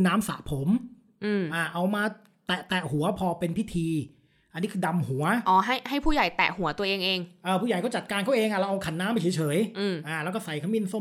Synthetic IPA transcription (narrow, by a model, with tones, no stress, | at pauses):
naː˦˥msa̰˨˩ʔpʰo˩˦m | ʔɯː˧˩ʔaː˧˩ʔa˧wmaː˧ | t̪ɛ˨˩ʔt̪ɛ˨˩hu˩˦ɐpʰɔː˧pe˧npʰi˦˥t̪ʰiː˧ | ʔa˧nːiː˦˥kʰɯː˧da˧mhu˩˦ɐʔɔː˧˩ɦa˥˩jɦa˥˩jpʰuː˥˩ja˨˩jt̪ɛ̰˨˩ʔhu˨˩˦ɐt̪u˧ɐʔeː˧ŋʔeː˧ŋʔɤː˧pʰu˥˩ja˨˩jkɔː˥˩t͡ɕa˨˩t̪̚kaː˧nkʰa˥˩wʔeː˧ŋʰa˧˩lːwʔa˧wkʰa˨˩˦nːaː˦˥mpa˧jt͡ɕʰːt͡ɕʰɤː˩˦jʔɯ˧˩ʔaː˧˩lɛː˦˥wkɔ˥˩sa˨˩jkʰa˥mi˥˨nso˥˩˨